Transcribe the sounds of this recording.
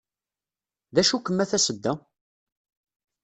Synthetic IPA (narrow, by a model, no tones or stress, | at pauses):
ðæʃukːəmːæθæsəd̪ːæ